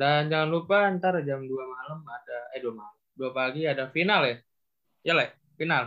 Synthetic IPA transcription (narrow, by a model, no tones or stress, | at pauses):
dand͡ʒaŋanlupaːnt̪aɾad͡ʒamduamaləmadaaduamaləmduapaɡiadafinala | jala | final